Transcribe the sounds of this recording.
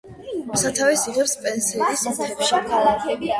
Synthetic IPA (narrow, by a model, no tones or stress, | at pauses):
sat̪ʰavisiʁɛpspʼɛnsiɛd̪isʰɛpʃilakʰ